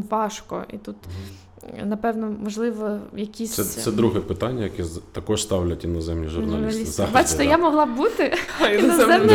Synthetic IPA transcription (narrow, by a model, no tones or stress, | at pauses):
ʋɑʃkɔ̰ʔḭt̪ut̪ | nɐpɛwnɔmɔʒlˠɪʋɔjɐkʲisʲssɛsɛd̪ɾuɦɛpɪt̪anʲːɐjɐkɛt̪ɐkɔʃst̪ɑwlʲɐtʲinɔzɛmnʲiʒṵrnɐlrnɐslʲist̪bɑt͡ʃɪ̥t̪ɛjamɔɦlˠɑbut̪ɪinɔzɛmnʲ